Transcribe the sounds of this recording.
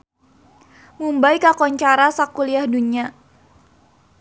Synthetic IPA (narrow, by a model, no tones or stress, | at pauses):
mumbajkakɔɲt͡ʃaɾasakuliahduɲia